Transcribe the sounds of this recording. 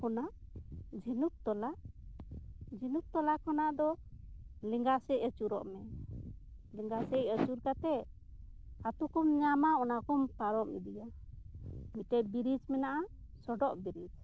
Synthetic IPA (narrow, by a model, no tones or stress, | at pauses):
kɔnaʔd͡ʒinup̚t̪ɔlaʔ | d͡ʒinup̚t̪ɔlakɔnaʔd̪ɔ | liŋɡasɛʔət͡ʃuɾɔ̰ʔmɛ | liŋɡasɛət͡ʃuɾkat̪ɛ | at̪ukɔmɲamaɔnakɔmpaɾɔmḭd̪ija | miʈɛbiɾid͡ʒmɛnaʔa | sɔɖɔʔbiɾid͡ʒ